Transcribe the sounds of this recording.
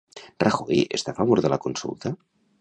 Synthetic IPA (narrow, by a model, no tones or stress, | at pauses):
rəxojḛst̪afaβ̞oɾðəlakunsṵlˠt̪a